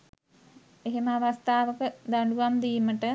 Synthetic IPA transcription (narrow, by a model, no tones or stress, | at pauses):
eɦeməaʋast̪aːʋəkəd̪aɳɖuʋamd̪ijməʈə